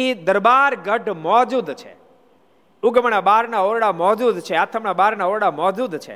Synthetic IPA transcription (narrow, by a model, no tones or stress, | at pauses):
id̪əɾbaɾɡəʈmɔd͡ʒud̪t͡ʃʰḛ | uɡəməɳabaɾnaoɾɽamɔd͡ʒud̪t͡ʃʰeat̪ʰəmnabaɾnaoɾɽamɔd͡ʒud̪t͡ʃʰḛ